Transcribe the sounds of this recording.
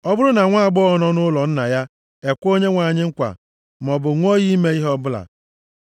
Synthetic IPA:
ɔ˦bʊ˦ɾʊ˦na˨ŋʷa˦a˨ɡ͡bɔ˦ɔ˦nɔ˦nʊ˦lɔ˨n̩˦na˨ja˦ | e˨kʷo˦ɲe˦ŋʷa˨ɲɪ˦ŋ̩˦kʷa̰˨ | m˨ɔ˨bʊ˨ŋʷo˦ji˦me˦i˦ɦɔ˦bʊ˦la̰˨

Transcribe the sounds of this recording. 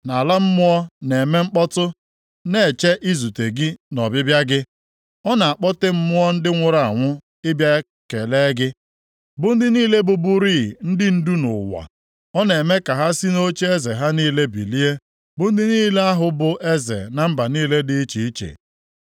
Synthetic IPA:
na˨la˦m̩˦mʊ˦ɔ˦ne˨me˦ŋ͡m̩˦k͡pɔ˦tʊ˦ | ne˦˨t͡ʃe˦ʔi˦zu˨te˨ɡi˦nɔ˨bɪ˦bja˦ɡɪ˦ | ɔ˦na˨a˨k͡pɔ˦te˦m̩˦mʊ˦ɔ˦n̩˦dɪ˦ŋʷʊ˦ɾa˨ŋʷʊ˦ | ɪ˦bja˦ | ke˨le˦ɡɪ˦ | bʊ˦n̩˦dɪ˦niː˦le˦bʊ˨bʊ˦ɾiː˦˨n̩˦dɪ˦n̩˦du˦nʊ̰˨wa̰˨ | ɔ˦ne˨me˦ka˨ɦa˦si˦no˦t͡ʃe˦e˦ze˨ɦa˦niː˦le˦bḭ˨li˦e˦ | bʊ˦n̩˦dɪ˦niː˦le˦a˦ɦʊ˨bʊ˨ʔe˦zḛ˨na˨m̩˦ba˨niː˦le˦dɪ˦t͡ʃi˨i˦t͡ʃḛ˨

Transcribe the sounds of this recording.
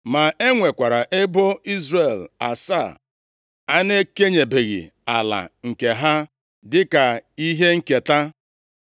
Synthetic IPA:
ma˨e˦ŋʷe˨kʷa˨ɾa˨ʔe˦bo˦i˦zre˨la˨sa˦˨ | a˦ne˦ke˦ɲe˨be˨ɣɪ̰˨ | a̰˨la̰˨ŋ̩˨ke˨ɦa˦ | dɪ˦ka˨i˦ɦe˦ŋ̩˨ke˨ta˦

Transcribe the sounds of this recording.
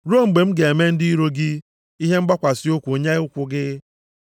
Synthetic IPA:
ɾo˦˨ŋ͡m̩˨ɡ͡be˨m̩˦ɡe˨e˨me˦n̩˦di˦i˦ɾo˦ɡɪ˦ | i˦ɦe˦ŋ͡m̩˦ɡ͡ba˦kʷa˨sɪ˦o˦kʷu˨o˨ɲe˦ʊ˦kʷʊ˦ɡɪ˦

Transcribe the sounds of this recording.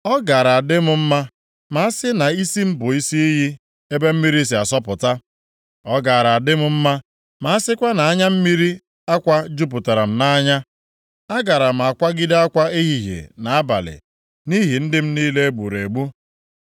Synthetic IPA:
ɔ˦ɡa˨ɾa˨a˨dɪ˦m̩˨˦m̩˦ma˦ | ma˨a˦sɪ˦na˨i˦si˦m̩˦bʊ˨i˦si˦i˦ɦi˦ | e˦be˦m̩˦mi˦ɾi˦s̬i˨a˨sɔ˦pʊ˨ta˦ | ɔ˦ɡa˨ɾa˨a˨dɪ˦mʊ˦m̩˦ma˦ | ma˨a˦sɪ˦kʷa˦na˨a˦ɲa˦m̩˦mi˦ɾi˦ | a˦kʷa˦d͡ʒu˦p̬ʊ˨ta˨ɾa˨m̩˨na˦ɲa˦ | a˦ɡa˨ɾa˨m̩˨a˨kʷa˦ɡɪ˦da˦a˦kʷa˦e˦ɦi˨ɦḛ˨na˨a˦ba̰˨lɪ̰˨ | ni˦ɦi˨n̩˦dɪ˦m̩˦niː˦le˦ɡ͡bu˨ɾe˨ɡ͡bu˦

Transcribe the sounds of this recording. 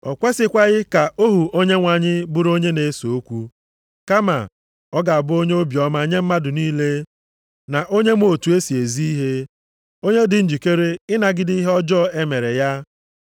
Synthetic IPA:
ɔ̰˨kʷe˦sɪ˦kʷa˦ɣɪ˦ka˨o˦ɦu˨o˦ɲe˦ŋʷa˨ɲɪ˦bʊ˦ɾo˦ɲe˦ne˨˦so˨o˦kʷu˦ | ka˦ma̰˨ | ɔ˦ɡa˨a˨bʊ˦o˦ɲe˦o˦bjɔ˦ma˨ɲe˦m̩˦ma˦dʊ˨niː˦le˦ | na˨ʔo˦ɲe˦m˦o˨tu˨e˦si˨e˨zi˦i˦ɦe˦ | o˦ɲe˦dɪ˨n̩˦d͡ʒi˨ke˦ɾe˦ɪ˦na˨ɡɪ˦dɪ˦i˦ɦɔ˦d͡ʒɔ˦˨e˦me˨ɾe˨ja˦

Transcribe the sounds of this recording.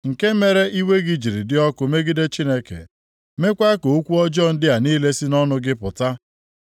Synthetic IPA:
ŋ̩˨ke˦me˦ɾe˦ʔi˦we˦ɡɪ˦d͡ʒi˨ɾi˨dɪ˦ɔ˦kʊ˨me˦ɡi˦de˦t͡ʃi˦ne˦kḛ˨ | me˦kʷa˦ko˨o˦kʷu˦ɔ˦d͡ʒɔ˦˨n̩˦dɪ˦a˨niː˦le˦si˦nɔ˦nʊ˦ɡɪ˦pʊ˨ta˦

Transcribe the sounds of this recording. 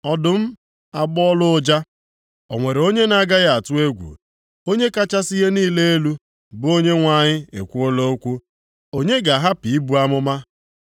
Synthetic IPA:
ɔ˨dʊ˨m̩˦ | a˨ɡ͡bɔ˦lʊ˦ʊ˦d͡ʒa˦ | o˨ŋʷe˨ɾe˨o˦ɲe˦na˦ɡa˦ɣa˦˨a˨tʊ˦e˦ɡʷṵ˨ | o˦ɲe˦ka˦t͡ʃa˦si˦ɣe˦niː˦le˦e˦lu˦ | bʊ˨o˦ɲe˦ŋʷa˨ɲɪ˦ḛ˨kʷu˦o˦lo˦o˦kʷu˦ | o˦ɲe˦ɡa˨ɦa˦pi˨i˦bu˨˦a˦mʊ˦ma˦

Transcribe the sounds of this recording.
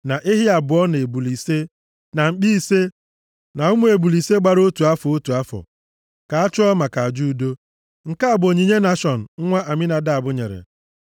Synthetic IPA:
na˨ʔɪ˦ɦi˦a˨bʊ˨˦ɔ˦ne˨bu˨li˨se˦ | na˨ŋ͡m̩˨k͡pi˦se˦ | na˨ʊ˦mu˦e˨bu˨li˨se˦ɡ͡ba˦ɾo˦tu˨a˦fɔ˨o˦tu˨a˦fɔ̰˨ | ka˨a˦t͡ʃʊ˦ɔ˦ma˨ka˨d͡ʒu˦do˦ | ŋ̩˨ka˦a˨bʊ˨o˨ɲi˨ɲe˦na˦ʃɔ˨n̩˨ŋ̩˦ŋʷa˦ʔa˨mɪ˦na˨da˦a˨bʊ˦ɲḛ˨ɾḛ˨

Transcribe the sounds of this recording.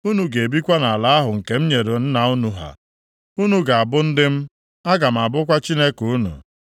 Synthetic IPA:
u˦nu˨ɡe˨e˨bi˦kʷa˦na˨la˨˦a˦ɦʊ˨ŋ̩˨ke˦m̩˦ɲe˨ɾo˨n̩˦na˨u˦nu˨ɦa̰˨ | u˦nu˨ɡa˨a˨bʊ˦n̩˦dɪ˦m̩˦ | a˦ɡa˨m̩˨a˨bʊ˦kʷa˦t͡ʃi˦ne˦ku˨u˦nṵ˨

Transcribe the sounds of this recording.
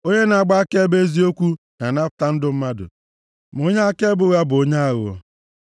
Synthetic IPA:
o˦ɲe˦na˨a˨ɡ͡ba˦a˦ke˦be˦zi˦o˦kʷu˦ | na˨na˦kʊ̥˨˦ta˦n̩˦dʊ˦m̩˦ma˦dʊ̰˨ | m˨o˦ɲe˦a˦ke˦bʊ˨ɣa˦bo˦ɲa˦a˦ɣʊ̰˨

